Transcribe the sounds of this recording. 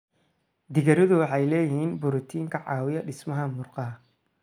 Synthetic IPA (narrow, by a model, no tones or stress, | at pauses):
d̪ɪɣɐɾɪðʊwɑħɑjlɛːjɪhiːnbʊɾʊt̪ʰiːŋkʰɐʕɑːwɪjɐɖɪsmɐɦɐmʊrqɑɦɐ